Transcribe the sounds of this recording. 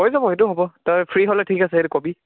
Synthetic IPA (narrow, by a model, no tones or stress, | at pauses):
ɦojzabɔɦetʊɦɔbɔtɔpʰɹiɦɔlɛtʰikasɛɦetukobi